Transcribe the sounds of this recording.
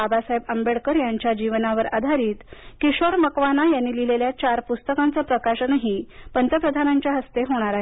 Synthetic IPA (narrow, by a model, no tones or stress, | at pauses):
abasaebəmbeɽkəɾjaɲt͡ɕjad͡ʑiʋnaʋəɾa̰d̪ʱaɾiːt̪kiɕoɾməkʋanajanːiːlileljat͡ɕaɾpust̪əkant͡səːpɾəkaɕənəɦipənt̪əpɾəd̪ʱanaɲt͡ɕjaɦəst̪eɦoɽ̃aɾaɦe